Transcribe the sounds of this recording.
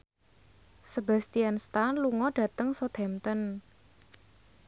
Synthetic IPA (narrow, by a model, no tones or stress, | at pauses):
səba̤st̪ianst̪anluŋɔɖ̥ä̤t̪əŋsɔt̪ʰɛmt̪ən